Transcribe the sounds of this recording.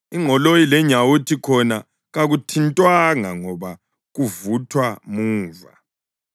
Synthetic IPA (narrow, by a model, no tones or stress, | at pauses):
iŋɔlojilɛɲawutʰikʰɔna | ɣaɣutʰintʼwaŋaŋɔβa | ɣuvutʰwamuːva̰